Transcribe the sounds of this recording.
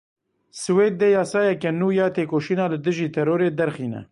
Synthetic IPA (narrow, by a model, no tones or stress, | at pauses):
sɨweːd̪̚ːejɑːsɑːjɛkɛnuːjɑːt̪eːkoːʃiːnɑːlɨd̪ɨʒiːt̪ʰɛɾoːɾeːd̪ɛɾxiːnɛ̰